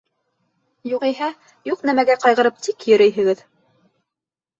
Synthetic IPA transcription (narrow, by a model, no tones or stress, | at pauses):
juʁiɦæ | juqnæmæɡæqɑjʁɤ̆ɾɤp̚t̪ikjɵ̆ɾɘ̆jɦɘ̆ɡɘð